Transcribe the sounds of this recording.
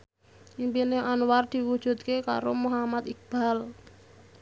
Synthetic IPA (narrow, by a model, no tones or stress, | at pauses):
ʔimpineʔanward̪̥i̤wud̥ʒ̥ṳt̪̚keka̰ɾomuɦamat̪ik̚b̥al